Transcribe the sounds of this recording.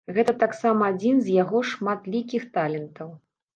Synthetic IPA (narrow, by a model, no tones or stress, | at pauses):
ɣɛt̪ɐt̪aksamɐːd͡zʲinzʲjaɣɔʂmat̪lʲikʲixt̪alʲɛnt̪ɐw